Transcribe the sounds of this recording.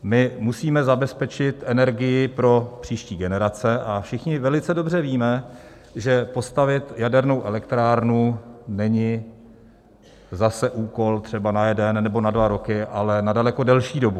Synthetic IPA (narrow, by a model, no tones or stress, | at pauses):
mɪmusiːmɛzabɛspɛt͡ʃɪt̪ʔɛnɛɾɡɪjɪpɾo̞pr̝̥iːʃciːɡɛnɛɾat͡sɛʔafʃɪxɲɪvɛlɪt͡sɛdo̞br̝ɛviːmɛ | ʒɛpo̞st̪avɪt̪jadɛɾno̞wʔɛlɛkt̪ɾaːɾnunɛɲɪ | zasɛʔuːko̞lt̪r̥ɛbanajɛdɛnːɛbo̞nadvaɾo̞kɪʔalɛnadalɛko̞dɛlʃiːdo̞bu